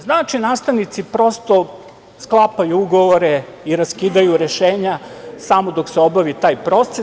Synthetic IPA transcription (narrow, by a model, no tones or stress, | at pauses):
znaːt͡ʃinaːst̪aʋnit̪sipɾo̞st̪o̞ | sklˠapajuuɡoʋoɾe | iɾaskiːd̪ajuɾeʃeːɲasamod̪okseo̞baʋit̪aːjpɾo̞t̪se